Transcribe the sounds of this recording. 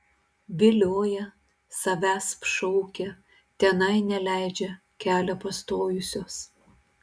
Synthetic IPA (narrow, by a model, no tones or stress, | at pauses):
ʋʲɪlʲoːjɛ | sɐʋʲæːspʃɔʊkʲɛ | t̪ʲɛnɐɪnʲɛlʲæˑɪd͡ʒʲɛ | kʲæːlʲɛpɐst̪oːjʊsʲoːs